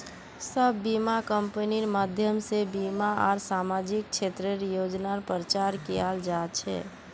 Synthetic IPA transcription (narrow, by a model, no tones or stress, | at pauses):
səbːimakəmpəniɾmaːd̪ʱjəmsebimaɔ̰ːɾsamad͡ʒik̚t͡ʃʰet̪ɾəɾjod͡ʒnaɾpɾɾət͡ʃaɾkijald͡ʒat͡ʃʰɛ̰